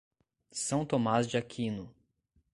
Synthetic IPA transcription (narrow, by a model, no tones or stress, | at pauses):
sɐ̃w̃t̪omazd͡ʒiakʰĩnʊ